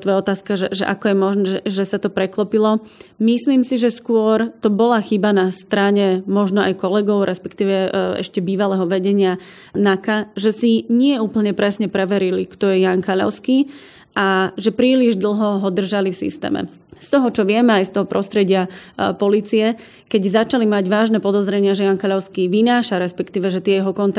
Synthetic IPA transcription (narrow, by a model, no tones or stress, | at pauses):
t̪ʋɔjɔt̪aːskaʒɛʒɛ̰ʔa̰kɔjɛmɔʒnɛɛʒɛsat̪ɔpɾɛklɔpilɔmisliːmsiʒɛskʊɔɾt̪ɔbɔlaxibanast̪ɾaɲɛmɔʒnɔa̰jkɔlɛɡɔʊɾʔɛspɛkt̪iːʋɛɛ̰ʃcɛbiːʋalɛɦɔʋɛɟɛɲɪa | nakaʒɛsiɲɪɛuːpl̩ɲɛpɾɛsɲɛpɾɛʋɛɾilikt̪ɔjɛjankaʎɔ̰ʊskiː | ʔaʒɛpɾiːliʒd̪l̩ˠɦɔɦɔd̪r̩ʒalifsḭst̪ɛ̰ːmɛ̰ | st̪ɔɦɔt͡ʃɔʋɪɛmɛajst̪ɔɦɔpɾɔst̪ɾɛɟɪapɔliːt͡siɛ | kɛɟzat͡ʃalimaɟʋaːʒnɛpɔd̪ɔzɾɛɲɪaʒɛjaŋkaʎaʊskiːʋinaːʃaɾɛspɛkt̪iːʋɛʒɛt̪ɪɛjɛɦɔkɔnt̪